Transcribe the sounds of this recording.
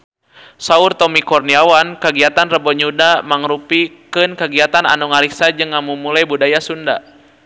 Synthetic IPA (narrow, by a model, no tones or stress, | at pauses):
saurt̪ɔmikɔrniawankaɡiat̪anrəbɔɲudamaŋɾupikɨnkaɡiat̪ana̰nuŋaɾisad͡ʒɨŋːamumulajbudajasunda̰